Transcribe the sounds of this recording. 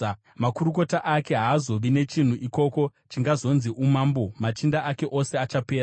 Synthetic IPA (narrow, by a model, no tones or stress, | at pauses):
makuɾuko̞taʔake̞ɦaːzo̞ʋine̞t͡ʃin̤uʔiko̞ko̞t͡ʃiŋɡazo̞nziʔumaːmbo̞mat͡ʃindaʔake̞ʔo̞se̞at͡ʃapeːɾa